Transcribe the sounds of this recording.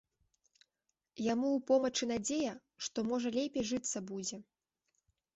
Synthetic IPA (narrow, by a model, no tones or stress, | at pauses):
jamuupɔmɐt͡ʂɨn̪ad͡zʲejɐ | ʂt̪ɔmɔʐɐlʲepʲejʐɨt̪sːɐbud͡zʲɛ